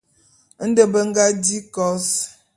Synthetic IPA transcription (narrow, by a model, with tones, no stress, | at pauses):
n̩˦də˨bə˦ŋ̩˦ɡa˦di˦kɔ˨˦s